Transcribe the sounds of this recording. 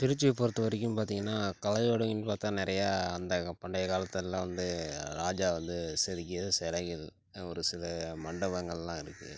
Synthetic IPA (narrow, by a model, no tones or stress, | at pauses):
pɪɾɪt͡ʃːɯpɔɾɯt̪ːɯʋɐɾɪk̬ʲːɯmpaːɾt̪iːŋɡɐnːaːkɐlɐjoːɽɐŋɪnpaːɾt̪ːãːnɪɾɐjaːɐnd̪ɐpɐɳɖɐjɐkaːlɐt̪ːɛlːãːʋɐnd̪ɯɾaːd͡ʒaːʋɐnd̪ɯsɛðɯkːɪɐðɯsɛlɐɣɪl | ɔɾɯsɪlɐmɐɳɖɐbɐŋɡɐɭlːãːɪɾɯkːɯ̰